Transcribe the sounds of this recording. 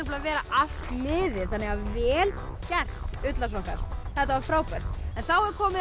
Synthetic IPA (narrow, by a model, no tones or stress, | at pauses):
plavɛːɾaʔal̥t̪lɪːðɪ̥θanɛɣavvɛːlcɛr̥t̪ʏt̪lasvɔhkaɾ̥θɛht̪avafɾaːwpœr̥t̪ɛnθawɛɾkʰɔːmɪ